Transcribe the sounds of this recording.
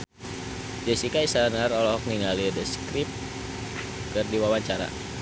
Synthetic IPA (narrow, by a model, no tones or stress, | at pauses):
d͡ʒəsikaisanərɔlɔɦɔk̚niŋalidəskɾip̚ | kɨrdiwawaɲt͡ʃaɾa̰